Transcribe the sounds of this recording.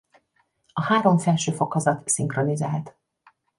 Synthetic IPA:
ɒhaːɾo̞mfɛlʃøːfo̞khɒzɒt̪siŋkro̞nizaːlt̪

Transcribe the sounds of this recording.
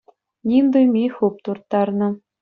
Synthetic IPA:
nʲimd̪ujmʲixup̚t̪urt̪ːɑrnɤ̆

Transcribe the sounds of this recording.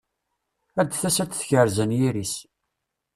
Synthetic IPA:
æd̪θæsæt͡sːθçəɾzənjiɾis

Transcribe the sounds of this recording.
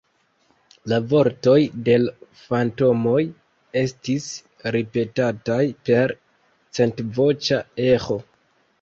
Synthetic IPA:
lavo̞ɾto̞jde̞l | fanto̞mo̞j | e̞stis | ɾipe̞tatajpe̞ɾ | t͡se̞ntvo̞t͡ʃae̞xo̞

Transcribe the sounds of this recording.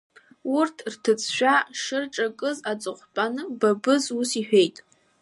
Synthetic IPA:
urtʰrtʰɨt͡sʰʃʷᶣaʂɨrʈ͡ʂʼakʼɨzat͡sʼɨχʷpʼanɨbabɨzusiħᶣejtʼ

